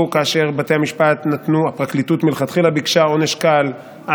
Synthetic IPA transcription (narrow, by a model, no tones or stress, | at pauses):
kaːʃe̞ʁbate̞amiʃpatnat̪nuapʁaklitutmilχat̪χilabikʃao̞neʃkal | a